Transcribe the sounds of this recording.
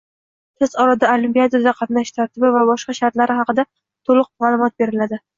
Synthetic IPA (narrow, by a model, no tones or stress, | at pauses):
t̪ʰɪz̥ɒɾad̪aolimpʲiad̪oɾd̪aqʰɑt̪naʃt̪ʰaɾt̪ʰɪbɪvabɒʃqɑʃaɾt̪laɾɪɦɑqɨd̪a | t̪ʰolˠʊq̚maːlˠʊmɒt̪̚be̞ɾɪlad̪ɪ